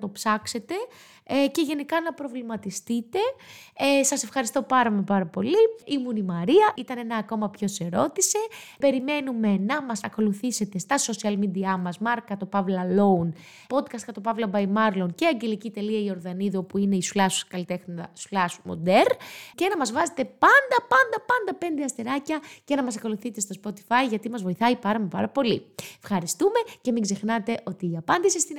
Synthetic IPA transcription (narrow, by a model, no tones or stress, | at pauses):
t̪o̞psɐkse̞t̪e̞ | ce̞ʝe̞nikɐnɐpɾo̞vlimɐt̪ist̪it̪e̞esɐse̞fxɐɾist̪o̞pɐɾɐmepɐɾɐpo̞liimunimɐɾiɐʔit̪ɐne̞nɐːko̞mɐpço̞se̞ɾo̞t̪ise̞ | pe̞ɾime̞nume̞nɐmɐsɐko̞luθise̞t̪e̞st̪ɐso̞siɐlmid̪iɐmɐzmɐɾkɐt̪o̞pɐvlɐlo̞un | po̞d̪kɐst̪kɐt̪opɐvlɐbɐjmɐɾlo̞nceɐɲɟe̞licit̪e̞liɐio̞ɾðɐniðuopuine̞isulɐskɐlit̪exnɐslɐsmo̰d̪eɾce̞nɐmɐzvɐze̞t̪e̞pɐnd̪ɐpɐnd̪ɐpɐnd̪ɐpe̞nd̪eɐst̪eɾɐcɐce̞nɐmɐsɐko̞luθit̪e̞st̪o̞spo̞t̪i̥fɐjʝɐt̪imɐzvo̞iθɐipɐɾɐmepɐɾɐpo̞lifxɐɾist̪ume̞ce̞miɡze̞xnɐt̪e̞ʔo̞t̪iːɐpɐnd̪isist̪i